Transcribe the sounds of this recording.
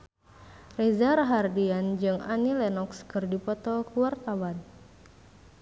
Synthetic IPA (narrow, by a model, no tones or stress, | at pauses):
rezaraɦardiand͡ʒɨŋa̰nilɛnɔkskɨrdipɔt̪ɔkuwart̪awan